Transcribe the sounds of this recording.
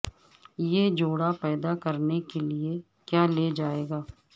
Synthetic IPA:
jeːd͡ʒoːɽapɛːd̪akəɾnekelie | kjaːleːd͡ʒaːeːɡaː

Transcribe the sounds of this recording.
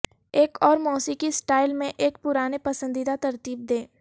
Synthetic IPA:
eːkʰɔːɾmɔːsikisʈaːɪlmẽʔeːk̚pʊɾaːnepɐsə̃nd̪id̪at̪ɐɾt̪iːb̚d̪eː

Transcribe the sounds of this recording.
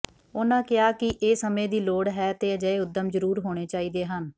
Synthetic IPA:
oːnãːkɪaːkɪʔeːsəmẽːd̪iːloːɽɦɛːt̪eːəd͡ʒəeːʊd̪əmzəɾuːɾɦoːɽ̃eːt͡ʃaːiːd̪eːɦən

